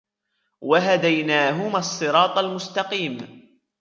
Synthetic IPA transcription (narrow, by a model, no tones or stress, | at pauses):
waɦad̪ajnaːɦʊmasˤːɨɾɑːt̪ˤalmʊst̪ɑqiːm